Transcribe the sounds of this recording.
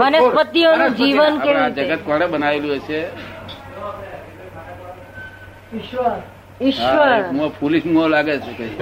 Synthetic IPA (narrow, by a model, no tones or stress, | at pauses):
ʋənəspət̪ːionũd͡ʒiʋənkeʋd͡ʒəɡət̪̚kəɽebənaʋeluet͡ʃʰe | ɪʃʋəɾ | ɪʃaʋəɾɦũapʰuliʃmũalaɡet͡ʃʰukəi